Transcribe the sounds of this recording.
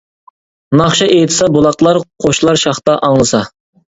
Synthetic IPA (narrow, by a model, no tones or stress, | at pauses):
nɑχʃɑʔejt̪ʰɪ̥sɑbolˠɑqlˠɑɾqʰoʃlˠɑɾʃɑχt̪ɑʔɑŋlˠɨsɑ